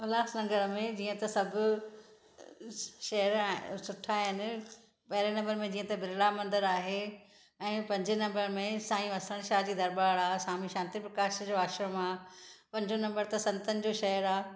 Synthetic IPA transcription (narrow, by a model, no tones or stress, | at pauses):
ɐlaːsnɐ̃ŋɡəɾmẽd͡ʑiːə̃t̪ɐsɐbʱʊ | ʃɐɦəɾsʊʈʰaːɦɪnɪ̆ | pɐɦɪɾenɐ̃mbəɾmẽd͡ʑiːə̃t̪ɐbɪɾɪlamɐ̃nd̪əɾaːɦe | ɛ̃ːpɐ̃ɲd͡ʑnɐ̃mbəɾmẽsaːĩũɐsəɽ̃ʃaːd͡ʑiːd̪ɐɾbaːɽaːsaːmiʃãːnt̪ipɾɐkaːʃd͡ʑoaːʃɾəmaːpɐ̃ɲd͡ʑonɐ̃mbəɾt̪ɐsɐ̃nt̪ənɪ̆d͡ʑoːʃɐɦəɾaː